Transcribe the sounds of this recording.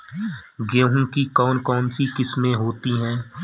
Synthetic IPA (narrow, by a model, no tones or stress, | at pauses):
ɡoːɦʊ̃mkikɔːnkɔːnsikɪsmẽɦoːt̪iɦɛ̃ː